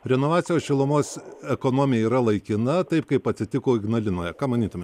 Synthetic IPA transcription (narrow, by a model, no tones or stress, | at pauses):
ɾʲɛnoːʋɑːtt͡s̪ʲɪjoːsʃʲɪlˠʊmoːsɛkoːnoːmʲɪjɛiːɾɐlˠɐɪkʲɪnɐt̪ɐɪpkɐɪpɐt̪ʲsʲɪt̪ʲɪkoːɪɡnɐlʲɪnoːjɛkɑːmɐnʲiːt̪omʲe